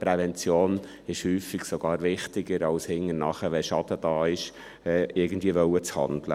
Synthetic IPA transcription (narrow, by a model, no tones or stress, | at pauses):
pɾɛvɛnt͡sjoːn | ɪʃhyːfɪɡsɔɡ̥ɑːɾvɪχtɪɡəɾɑlshɪŋənɑ̰χəʋɛʃɑd̥̪əd̥ɑːɪʃ | ɛːɪɡən̩dviːəʋœwət͡shɑ̰nd̪lə̰